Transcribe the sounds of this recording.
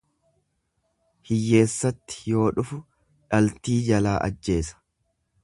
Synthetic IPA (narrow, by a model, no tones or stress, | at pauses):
hɪjːe̞ːsːɐt̪ːɪ̥jo̞ːᶑʊfʊ | ᶑɐlt̪iːd͡ʒɐlaːʔɐ̰d͡ʒːe̞ːsɐ̥